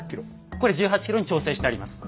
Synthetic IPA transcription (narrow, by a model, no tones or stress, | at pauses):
kʲiɾo | ko̞ɾe̞d͡ʑɨːɦat͡ɕi̥kʲiɾo̞ɲit͡ɕo̞ːse̞ːɕi̥t̪eaɾimasɨ̥